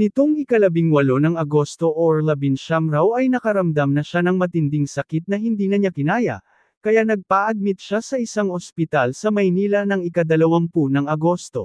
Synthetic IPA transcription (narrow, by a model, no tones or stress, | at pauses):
nɪt̪o̞ŋɪkɐlɐbɪŋwɐlo̞nɐŋɐɡo̞st̪o̞ʔoɹlɐbɪnʃamɾawɐjnɐkɐɾɐmd̪amnɐʃanɐŋmɐt̪ɪnd̪ɪŋsɐkɪt̪̚nɐɦɪnd̪iːnɐɲakɪnaːjɐ̰ | kɐjaʔnɐɡ̚paːʔɐɡ̚mɪt̪̚ʃasɐʔɪsaŋospɪt̪alsɐmɐjniːlɐnɐŋɪkɐd̪ɐlɐwaŋpunɐŋɐɡo̞st̪o̞̰